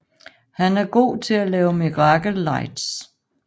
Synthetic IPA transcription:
hænæɐɡ̥o̝̰ːt͡sʰe̝lælɛːʊmiʁɑɡ̥l̩ːɑ̈ɪ̰d̥s

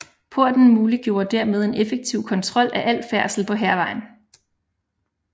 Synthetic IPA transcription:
pʰo̝ɐ̰d̥n̩muːliɡ̥jo̝ːɐd̥æɐ̰með̞ˠe̝nefeɡ̥̚t͡sʰiʊ̰kʰɒ̽nt͡sʰʁɒ̽l̰æʔæl̰fæɐ̰sl̩pʰɒ̽ɦæɐʋɑ̈ɪ̰n̩

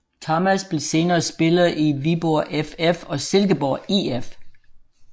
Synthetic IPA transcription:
t͡sʰɑmæsb̥le̝se̝ːnɐːsb̥e̝lɐð̩ˠiʋib̥oʔefefɒ̽selɡ̥əb̥ɒ̰ːief

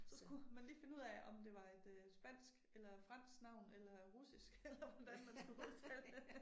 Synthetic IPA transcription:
sɒ̽sɡ̥umænliːfe̝nəuð̰ˠɛʔɒ̽md̥e̝ʋɑ̈e̝d̥øsb̥æn̰sɡ̥elɐfʁɑn̰sɡ̥nɑ̈ʊ̰nelɐʁusisɡ̥elɐʋɒd̥ænmænsɡ̥uho̝ð̩ˠt͡sʰæl

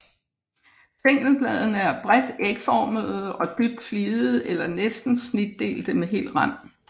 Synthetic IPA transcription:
se̝ŋ̰̥l̩b̥lɛð̞ˠn̩əæɐb̥ʁɛd̥eɡ̥fɒːməðð̩ˠɒ̽d̥yɡ̥̚fliːð̩ˠelɐnesd̥n̩snid̥ːe̝̰ːld̥əmeɦe̝̰ːl̥ʁɑn̰

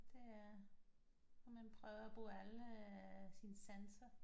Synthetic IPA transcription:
d̥e̝æ | ɒmænpʰʁœːʊæb̥o̝̰ːæl | sinsænsɐ

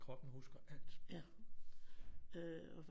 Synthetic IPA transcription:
kʰʁɒ̽b̥n̩husɡ̥ɐæl̰d̥jæ | øɒʋ

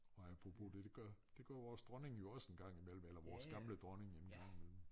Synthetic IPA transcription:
ɒ̽æpʰʁopʰo̝d̥ed̥eɡ̥ɶɐd̥e̝ɡ̥ɶɐʋɒːsd̥ʁɒne̝ŋjo̝ɒ̽senɡ̥ɑ̈ŋ̰imel̰m̩elɐʋɒːsɡ̥ɑ̈mləd̥ʁɒne̝ŋenɡ̥ɑ̈ŋ̰imel̰m̩

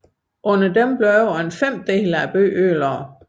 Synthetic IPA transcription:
ʔɔ̽nɐd̥emb̥løʊenfem̰d̥e̝ːləæb̥ø̰ːøːlɐː

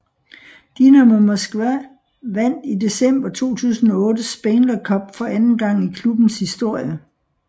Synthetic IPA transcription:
d̥inæmomosɡ̥ʋæ | ʋæn̰d̥id̥e̝sem̰b̥ɐt͡sʰo̝̰ːt͡sʰṵːsn̩ɒ̽ɔ̽ːdəsb̥enl̥ɐkʰɒ̽b̥fɒ̽ænn̩ɡ̥ɑ̈ŋ̰ikʰlub̥n̩shisd̥o̝ɐ̰jə

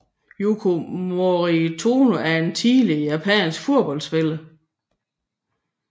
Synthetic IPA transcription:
jukʰomoʁit͡sʰoːnoæɐe̝nt͡sʰiːlijæpʰɛ̰nsɡ̥fuɐ̰b̥ɒ̽l̰d̥sb̥elə

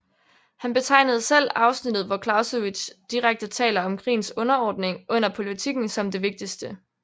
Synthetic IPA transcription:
hænb̥e̝t͡sʰɑ̈ɪ̰nəð̞̩ˠsel̰ɑ̈ʊsnid̥ð̩ˠʋɒkʰlɑ̈ʊsəʋi̥ɕd̥iʁaɡ̥̚d̥ət͡sʰɛ̰ːlɐɒ̽mkʰʁḭːnsɔ̽nɐɒːd̥ne̝ŋʔɔ̽n̰ɐpʰo̝lit͡sʰiɡ̥n̩sɒ̽md̥e̝ʋe̝ɡ̥̚d̥isd̥ə

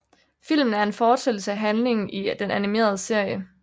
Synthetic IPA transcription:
fil̰mn̩æɐe̝nfɒːd̥sel̩səæɦænle̝ŋn̩id̥enænime̝̰ːɐð̞ˠəse̝ɐ̰jə

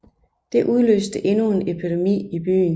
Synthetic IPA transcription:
d̥e̝ʔuðˠlø̰ːsd̥əʔe̝nue̝nepʰid̥emḭːib̥y̰ːn

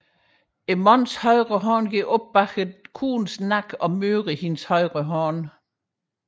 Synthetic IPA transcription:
emɒnshɒɪʁəɦɒːnɡ̥iɡ̥ɔb̥̚b̥ɑ̈ɡ̥əðˠkʰṵːnsnɑɡ̥ɒ̽møːʁəhinshɒɪʁəɦɒn

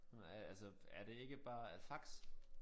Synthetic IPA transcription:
ælsəæɐɾe̝e̝ɡ̥əb̥ɑ̈ːfɑ̈ɡ̥s

